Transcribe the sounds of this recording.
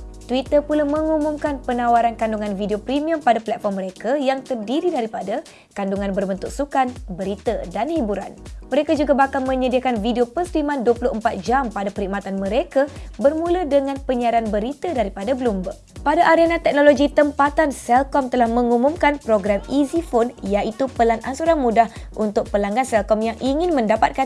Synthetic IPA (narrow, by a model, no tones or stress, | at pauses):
t̪wit̪əpulamə̃ŋumumkanpənãwaɾankanduŋanvideopɾimiəmpadaplɛt̪̚fɔrmːəɾekajaŋt̪ərdiɾidaɾipada | kanduŋãnbərbənt̪uʔsukanbəɾit̪adanhibuɾa̰nməɾekad͡ʒuɡabakalmə̃ɲədiakanvideopəsəɾimãnduwəpuluʔəmpat̪̚d͡ʒampadapəɾhimat̪anmə̃ɾekabərmũlədəŋãnpəɲaɾanbəɾit̪adaɾipadabəlumbə | padaʔaɾenãt̪ɛk̚noloɡit̪əmpat̪ansɛlkɔmt̪əlahmə̃ŋumumkanpɾoɡɾamizifonjait̪upəlanʔa̰nsuɾanmudahʔunt̪ʊk̚pəlaŋɡansɛlkɔmjaŋʔiŋɪnmə̃ndapat̪̚ka